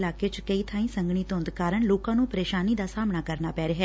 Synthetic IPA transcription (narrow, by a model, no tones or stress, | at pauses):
laːket͡ʃkəit̪ʰãːĩːsə̃ŋɡɳ̃it̪õːnd̪kaːɾəɳloːkãːnũːpəɾeːʃaːniːd̪aːsaːmnaːkəɾnaːpɛːɾeɦɛː